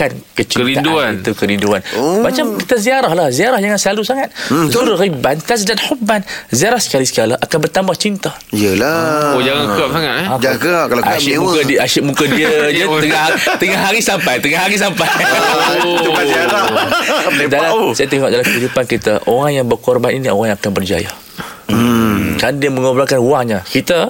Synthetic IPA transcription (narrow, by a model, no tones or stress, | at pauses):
kankət͡ʃiəɾiaduaint̪ukəɾinduanmat͡ʃamkit̪aziaɾahlahziaɾahd͡ʒaŋanslalusaŋat̪̚zuɾɣibant̪asdat̪hubːanziaɾahsə̥kalisə̥kalaʔakanbərt̪ambaht͡ʃint̪a | iəlaod͡ʒaŋakap̚saŋat̪ɛad͡ʒaɡakalaamuadiaʃɪʔmukadiəjəəŋat̪əŋaɦaɾisampajt̪əŋaɦaɾis̬ampajaukaiala | dalasajat̪eŋɔʔ̚dalamkəɦidupankit̪aʔoɾaŋjaŋbərkɔrbaninioɾaŋjãŋakanbərd͡ʒa̰ja̰ | kandiəmə̃ŋobɾakanuaŋɲakit̪ə